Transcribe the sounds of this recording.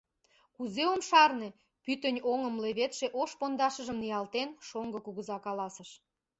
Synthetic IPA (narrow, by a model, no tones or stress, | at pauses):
kuzeomʃɑrne̽ | pyt̪ənʲoŋəmleβet̪ʃeʔoʃpond̪ɑʃəʒə̆mnijɑlt̪enʃoŋɡɤ̆kuɣəzɑkɑlɑsəʃ